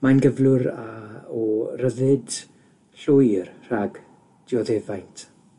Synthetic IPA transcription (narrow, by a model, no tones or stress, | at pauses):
manɡəvlʊɾaɔrəðɨd | ɬʊjrr̥aɡ̥ | d̥ɪɔðeːvajntʰ